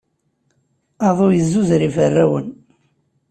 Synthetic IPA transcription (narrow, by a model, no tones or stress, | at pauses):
ɑðˤojəzːuzɾifərːæwə̰n